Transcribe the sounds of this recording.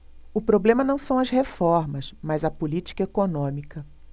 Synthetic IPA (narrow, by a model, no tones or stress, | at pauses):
ʊpɾoblẽmɐnɐ̃w̃sɐ̃w̃ɐzhefɔɾmɐsmɐzɐpʊlit͡ʃi̥kɐekonõmikɐ